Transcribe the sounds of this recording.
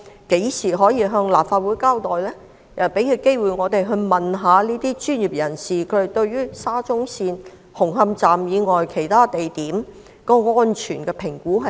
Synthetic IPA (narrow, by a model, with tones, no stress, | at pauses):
ke˨˥jsiː˨˩ɦɔː˨˥jiː˧ɦœː˧ŋlaː˨p̚faː˧t̚wuː˨˥jkaː˥wt̪ɔː˨˩jlɛː˥ | jɐ˨˩wpe˨˥jkʰi˨˧wke˥jwu˨˩jŋɔː˨˧t̪e˨jɦɵ˧ɥmɐ˨nɦaː˨˧liː˥t̪iː˥t͡ʃyː˥nji˨˩p̚jɐ˨˩nsiː˨kʰɵ˨˧˥e˨˩t̪ɵ˧ɥɥyː˥saː˥t͡sʊ˥ŋsiː˧n | hʊ˨˩ŋɦɐ˧mt͡saː˨mjiː˨˧ŋɔː˨jkʰe˨˩jt̪ʰaː˥t̪e˨jt̪iː˨˥m | kɔː˧ŋɔː˥nt͡ʃʰyː˨˩nkɛː˧pʰɪ˨˩ŋkuː˨˥ɦɐ˨